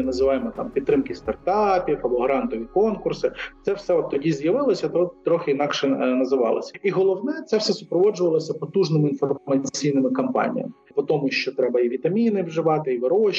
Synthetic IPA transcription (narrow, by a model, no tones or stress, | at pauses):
nɐzɪʋɑjɪmɔt̪ɑ̰mpʲit̪ːɾɪmkɪst̪ɐrt̪ɑpʲifɐbɔɦɾɑnt̪ɔʋʲikɔnkʊrsɪt̪sɛwsɛɔt̪ːɔdʲizjɐʋɪlˠɔsʲɐt̪ɔt̪t̪ːɾɔxɪinɑkʃɛnɐzɪʋɑ̰lˠɪ̰sʲɐiɦɔlˠɔwnɛt̪sɛwsɛsʊpɾɔʋɔd͡ʒʊʋɐlˠɔsʲɐpɔt̪uʒnɪmʊinfɔrmɐt͡sʲijnɪmɪkɐmpɑ̰nʲḭjɐ̰mɪpɔt̪ɔmʊʃʲt͡ʃɔt̪ɾɛbɐiʋʲit̪ɐmʲinɪʋʒɪʋɑt̪ɪiʋɪɾɔʃ